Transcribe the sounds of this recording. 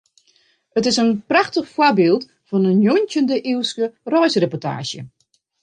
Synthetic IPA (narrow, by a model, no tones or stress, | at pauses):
ətɪsənpraxtəxfwabɪːlˠt | fɔnənjontjəndəʔiwskərɔjsrepɔtʰa̰ːʃjə̰